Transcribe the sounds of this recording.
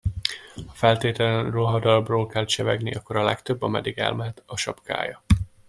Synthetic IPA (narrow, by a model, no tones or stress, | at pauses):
hɒfɛlt̪eːt̪ɛlɛnroɦɒd̪ɒbroːlkɛlʃɛvɛ̰ɡniʔɒkːoɾɒlɛkt̪øbːɒmɛ̰d̪iɡɛ̰lmɛɦɛt̪ɒʃɒ̰pka̰ːjɒ